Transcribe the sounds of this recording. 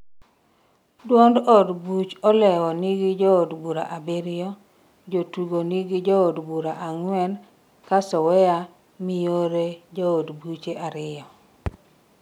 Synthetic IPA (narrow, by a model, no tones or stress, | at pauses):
dwondodbut͡ʃɔlɛwɔniɡɪd͡ʒɔodbuɾa̰ʔabeɾɪɔ | d͡ʒotuɡoniɡid͡ʒɔodbuɾaʔaŋwɛn | kasɔwɛja | mɪjoɾed͡ʒɔːdbut͡ʃeʔaɾɪjɔ